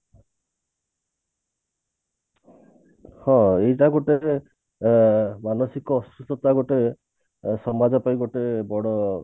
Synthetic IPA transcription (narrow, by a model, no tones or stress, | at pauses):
hɔ̃ejʈaɡoʈe | manɔsikɔːsust̪ɔt̪aɡoʈe | sɔmad͡ʒɔpajɡoʈebɔɽɔ